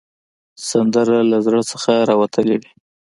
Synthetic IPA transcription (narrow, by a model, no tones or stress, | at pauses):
sand̪əɾalazɾəsəxaɾɑwat̪ʰəlewi